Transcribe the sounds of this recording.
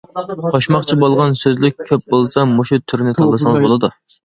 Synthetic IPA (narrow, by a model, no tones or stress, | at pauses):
qʰɑʃmɑχt͡ʃʰibolˠʁɑnsøzlɪk̚ʲkʲʰøp̚bolˠsɑmoʃut̪ʰːyɾnɪt̪ʰɑlˠɨsɑŋbolˠɨd̪u